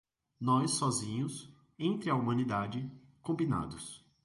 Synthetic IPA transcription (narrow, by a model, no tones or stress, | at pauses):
nɔjsːɔzĩɲʊs | ẽnt̪ɾɪɐumɐ̃nid̪ad͡ʒɪ | kõmbina̰d̪ʊs